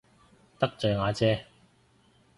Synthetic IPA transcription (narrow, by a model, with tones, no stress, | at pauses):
t̪ɐ˥k̚t͡ʃɵ˨ɥŋaː˨˧t͡sɛː˥